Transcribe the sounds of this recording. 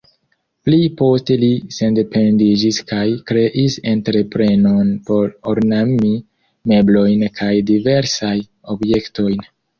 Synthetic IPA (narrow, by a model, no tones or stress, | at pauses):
plipo̞ste̞lise̞nde̞pendid͡ʒiskajkɾe̞ʔise̞ntɾe̞pɾe̞no̞npo̞ɾoɾnami | me̞blo̞jnkʰajdive̞ɾsaj | o̞bje̞kto̞jn